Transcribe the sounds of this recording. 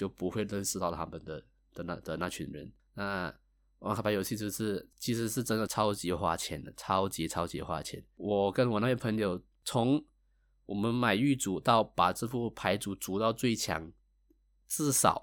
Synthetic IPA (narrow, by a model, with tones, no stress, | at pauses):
t͡ɕjo˥˩ʊpu˧˥xwe˥˧ɪlə˥˧nʂɻ̩˥˧t̪ɑ˥˩ʊt̪ʰa˥mə˨nd̪ə˨˩ | d̪̥ə˨na˥˧˩d̪ə˨na˥˩t͡ɕʰy̰˧˥nɻə̰˧˦n | na˥˩ | wa̰˧˥ŋxba˧˥jo˨˩ʊɕi˥˧t͡ɕjo˥˧ʂɻ̩˥˩t͡ɕʰi˧˥ʂ̬ɻ̩˧˥ʂɻ̩˥˩ʈ͡ʂə˥nd̪ə˨˩t͡sʰɑ˥ʊt͡ɕi˧˥xwa̰˥˩t͡ɕʰjɛ̰˧˥˦nə˩t͡sʰɑ˥ʊt͡ɕi˧˥t͡sʰɑ˥ʊt͡ɕḭ˧˥xwa̰˥˩t͡ɕʰjɛ̰˧˥nwɔ˨˩kə˧˥nwɔ˨˩na˥˧jə˥˩pʰə˧˥ŋjo˨˩ʊ | t͡sʰʊ˧˥ŋ | wɔ˨˩mə˦nma˨˩ɪy˥˩t͡su˨˩˦t̪ɑ˥˩ʊpa˨˩t͡sɻ̩˥˧fu˥˩pʰa˧˥ɪt͡su˨˥˩t͡su˨˥t̪ɑ˥˧ʊt͡swe˥˩ɪt͡ɕʰjɑ̰˨˥˦ŋ | t͡sɹ̩˥˩sɑ̰˨˩˦ʊ